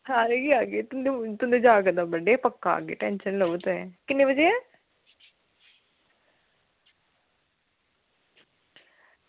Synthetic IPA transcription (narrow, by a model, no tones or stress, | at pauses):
hãːɾeɡiaːɡeːt̪ʊd̪et̪ʊnd̪eːd͡ʒaːɡəd̪aːbəɖeːpəkːa̰ːɡḛːʈɛːnʃənləʋt̪ːɛːkɪnːẽːbəd͡ʒejɛː